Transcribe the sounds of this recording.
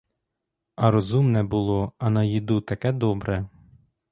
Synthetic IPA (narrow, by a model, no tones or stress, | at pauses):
ɐɾɔzumnɛbʊlˠɔɐnɐjid̪ut̪ɐkɛd̪ɔbɾɛ